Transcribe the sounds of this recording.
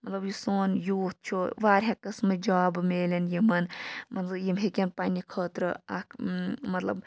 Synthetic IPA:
mɐt̪lɐbjusoːnjuːt̪̚t͡ʃʰoʋaːɾʲɦakɐsmɨd͡ʒaːbmeːlʲenjimɐnmɐnzɨjimɦekʲenpaːnʲikʰəːt̪ɾɨ̰a̰kʰmɐt̪lɐ̰b

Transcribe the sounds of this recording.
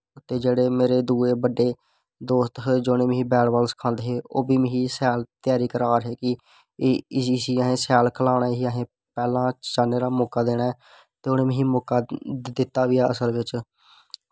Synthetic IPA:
ʊt̪ːeːd͡ʒeːɽeːmeːɾeːd̪uːeːbəɖeː | d̪oːst̪ɦd͡ʒoːnẽːm̃ɦĩːbɛːɽʋaːlsə̥kʰãːnd̪eːɦeːo̰ːbiːmə̃ɦiːsɛːlt̪ɪjaːɾiːkəɾaːɾɦeːkɪ | siːəɦẽːsɛːlkʰəlaːɽaːɦiːəɦẽː | pɛːlãːt͡ʃaːneːɾaːmoːkaːd̪eːɽa | t̪eːoneːmə̃ɦĩːmoːkaːd̪ɪt̪ːaːʋɪjaːəsəlʋɪt͡ʃ

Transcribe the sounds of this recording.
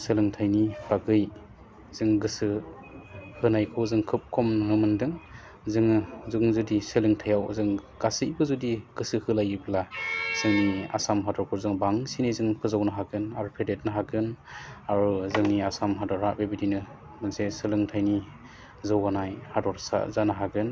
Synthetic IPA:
sɯlɯŋtʰajnib̥aɡɯj | zɯŋɡɯsɯ | hɯnajkʰɯwzɯŋkʰɯp̚kʰɔmnɯɯmɯndɯŋ | zɯŋzuŋzudisɯlɯŋtʰajawzɯŋɡ̥asɯjbɯzudiɡ̥ɯsɯhɯlajibʰlaz̥ɯŋnia̰samɦadɔɾkʰɔɾzɯŋbaŋsinizɯŋpʰɯzawnɯɦaɡɯnaɾupʰedet̚nɯɦaɡɯnaɾuzɯŋniasamɦadɔɾabebidinɯ | mɯnsesɯlɯŋtʰajni | zɯwanajhadɔɾsa̰zanaɦaɡɯn

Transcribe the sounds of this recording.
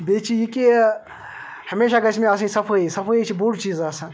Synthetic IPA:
beːt͡ʃijiki | hɐmeːʃaɡɐt͡ʃʰmẽas̬ĩsɐpʰoisɐpʰoːit͡ʃʰibuːɽt͡ʃiːzaːsã

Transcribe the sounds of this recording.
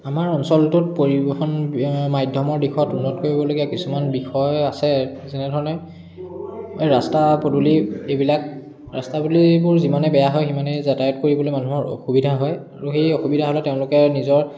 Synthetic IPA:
amaɹɔnsɔltʊt̚poɹibɔxɔnmajdʱjɔmɔɹdixɔtunːɔtkoɹibɔloɡiakisumanbixɔjasɛzɛnɛdʱɔɹɔnɛ | jɹastapoduliebilak̚ | ɹastabulibʊɹzimanɛbɛjaɦɔjximanɛzatajɔt̚koɹibɔlojmanuɦɔɹo̰xubidʱaɦɔjaɹuxejoxubidʱaɦɔlɛteʊ̃lʊkɛnizɔɹ

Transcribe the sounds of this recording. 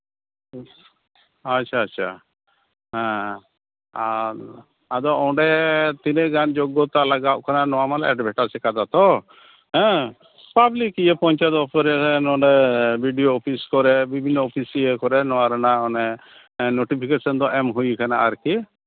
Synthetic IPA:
atːt͡ʃʰaːʃʰa̰ | ɦɛ̃ | a | ad̪ɔɔwɖɛt̪inɛʔɡand͡ʒɔɡɔt̪alaɡaʔkʰananɔwamalɛɖbʱɛʈasɛkad̪at̪ɔ | ɦɛ̃ | pablikijepɔɲt͡ʃat̪ɔpʰɔɾɛnɔɖɛbʱiɖijoːpʰiskɔɾɛbibʱinːɔɔpʰisiekɔɾɛnɔwaɾanaɔnɛ | noʈipʰikesɔnd̪ɔʔɛmɦujkʰanaːɾki

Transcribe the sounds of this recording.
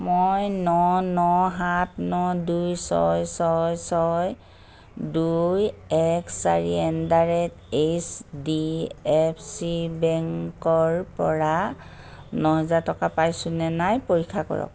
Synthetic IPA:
mojnɔnɔɦatnɔdujsɔ̰jsɔjsɔj | dujɛksa̰ɹiɛndaɹɛt | esdiɛpʰsibɛŋkɔɹpɔɹa | nɔɦɛzaɹtɔkapajsʊ̃nɛnajpoɹikʰːakɔ̰ɹɔ̰k̚

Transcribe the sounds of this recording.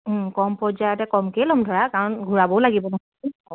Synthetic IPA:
kɔmpɔɹzajɔtɛkɔmkɛlɔmdʱɔɹakaɹɔnɡʱuɹabɔwlaɡibɔnaɦ | iɔ

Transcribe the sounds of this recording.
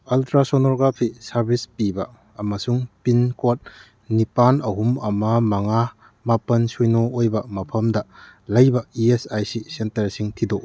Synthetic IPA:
ɐltɾasonɔɾɡapʰisɐɾbʱispibɐː | mɐsuŋpinkot̚ | nipanɐɦumɐmɐmɐŋa | mapɐnsujnoojbɐmɐpʰɐmdɐlɐjbɐiesajsisentɐɾsiŋtʰido

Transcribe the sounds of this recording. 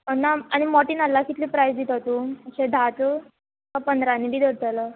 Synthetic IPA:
ənaañimɔʈiːnalːakit̪liːpɾajsd̪it̪t̪uəɕed̪ʱat̪ə | kapənd̪ɾanibiːd̪əɽt̪alə

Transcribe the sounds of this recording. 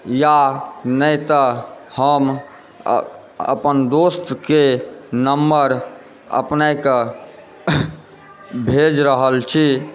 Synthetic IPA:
janəjt̪əhəm̰ | ə̰pənd̪ost̪kenəmːəɾ | ə̰pnajkə | bʱed͡ʒɾəɦəlt͡ʃʰi

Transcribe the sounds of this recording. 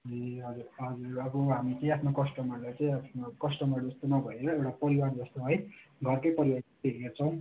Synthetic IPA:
ʌiɦʌd͡zuɾʌd͡zurʌboɦamit͡sʌĩapʰnokʌsʈʌmʌrlajt͡sʌĩapʰnokʌsʈʌmʌrd͡zʌst̪onʌbʱʌeɾʌewʈapʌɾiward͡zʌst̪oɦʌjɡʱʌrkʌjpʌɾiwaɾ | eɡert͡sʰʌ̃w̃

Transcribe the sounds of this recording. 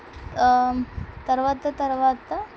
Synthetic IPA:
t̪ɐɾʋat̪ːət̪ɐɾʋat̪ːə

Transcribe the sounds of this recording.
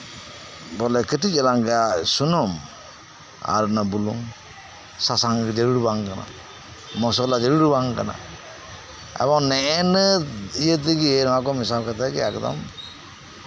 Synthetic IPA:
bɔlekʰɯtid͡ʒalaŋɡasunɔm | a̰ɾnabuluŋ | sasaŋɡid͡ʒeɾuɾbaŋkana̰ | mɔs̬ɔlad͡ʒeɾuɾubaŋkana̰ | ɛ̰bɔŋnɛenɯijət̪iɡienɔwakɔmis̬awkʰat̪ʰaɡiakd̪ɔ̰m

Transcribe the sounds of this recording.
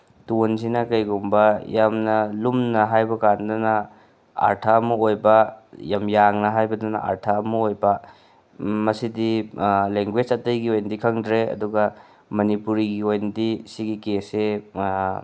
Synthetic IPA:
tunsinɐkɐjɡumbɐjamnɐlumnɐɦajbɐkandɐnɐ | a̰ɾtʰaɐmuojbɐjamjaŋnɐɦajbɐdɐnɐ̰ʔa̰ɾtʰaɐmuojbɐ | mɐsidileŋɡwed͡ʒɐtɐjɡiojnɐdikʰɐŋdɾeɐ̰duɡɐ | mɐnipuɾiɡiojnɐdisiɡikese

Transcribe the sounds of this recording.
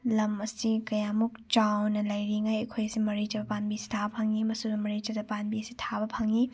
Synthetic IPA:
lɐmɐsikɐjamuk̚t͡ʃawnɐlɐjɾiŋajɐkʰojɐsimɐɾit͡ʃɐbɐpanbisi̥tʰabɐpʰɐŋimɐsudɐmɐɾit͡ʃɐdɐpanbiɐsitʰabɐpʰɐŋi

